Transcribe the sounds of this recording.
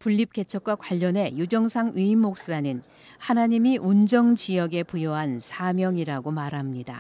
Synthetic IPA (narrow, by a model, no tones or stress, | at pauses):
puʎːip̚k͈e̞t͡ɕʰʌk̚k͈wakwaʎːʌne̞jud͡ʑʌŋsʰaŋɥiimːok̚s͈anɯn | hanaɲimiʔund͡ʑʌŋt͡ɕijʌɡe̞pujʌɦansʰamjʌŋiɾaɡomaɾɦamɲida̰